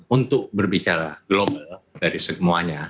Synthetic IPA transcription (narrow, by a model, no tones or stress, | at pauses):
unt̪ʊk̚bərbit͡ʃaɾaɡlobaldaɾisəmuaɲa